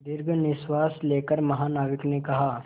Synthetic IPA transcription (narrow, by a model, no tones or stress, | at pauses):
d̪ɪɾɡʱnɪswaːsleːkəɾmɐɦaːnaːʋɪknekɐɦaː